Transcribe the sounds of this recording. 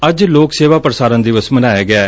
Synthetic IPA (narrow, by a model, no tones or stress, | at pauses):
əd͡ʒloːkseːʋaːpɾəsaːɾə̃nd̪iʋəsmənaːjaːɡɪaː